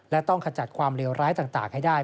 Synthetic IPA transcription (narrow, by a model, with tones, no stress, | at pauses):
lɛ˦˥t̪ɔ˥˩ŋkʰa˧t͡ɕa˨˩kʰwaː˧mɾi˧wɾʔaː˦˥jt̪aː˨˩ŋt̪a̰ː˨˩ŋha˥˩jdaː˥˩j